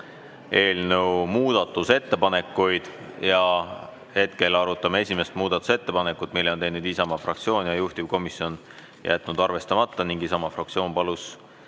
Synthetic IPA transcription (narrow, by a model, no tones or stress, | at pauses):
e̞ːlnəwmuːd̪̥ɑt̪ːˑuse̞t̪ːepɑne̞kːˑujd̪̥jɑ | he̞t̪ke̞lɑɾut̪ːˑɑmee̞sʲime̞st̪muːd̪̥ɑt̪ːˑu̥se̞t̪ːe̞pɑne̞kːˑut̪ːˑmilːeot̪e̞jnud̪̥isɑmɑfrɑ̰kt̪sio̞ːnjɑjuht̪iv̥ko̞misjo̞n | jʔæ̰t̪nud̪̥ɑrve̞st̪ɑmɑt̪ːˑɑniŋɡ̥isɑmɑfrɑk̚t̪sio̞ːnpɑlus